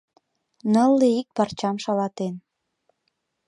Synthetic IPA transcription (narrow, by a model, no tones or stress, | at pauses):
nəlːeik̚pɑrt͡ɕɑmʃɑlɑt̪en